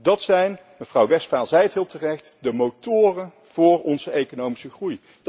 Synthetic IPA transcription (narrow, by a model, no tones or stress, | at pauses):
dɑtsɛjn | məvrɑwʋɛstfaːlˠzɛjətɦɪːlˠtərɛχtdəmowtʊːrən | v̥ʊːrɔnzəejkonowmisəχruj